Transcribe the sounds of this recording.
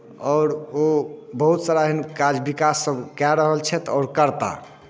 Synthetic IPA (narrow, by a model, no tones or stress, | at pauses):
ɔːɾobəɦut̪saɾaɦinkad͡ʒbikasːəbkaɾəɦəlt͡ʃʰɛt̪ɔːɾkəɾt̪a̰